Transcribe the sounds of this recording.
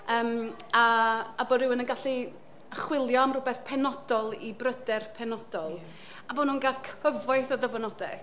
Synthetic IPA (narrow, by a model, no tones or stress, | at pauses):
əːmaːboːɾɪwənənɡaɬi | əχwɪlˠjɔamrʊbɛθpʰɛnɔdɔlˠibrədɛrpʰɛnɔd̥ɔlˠ | abonunɡalkʰəvɔjθɔðəvɔnɔdɛ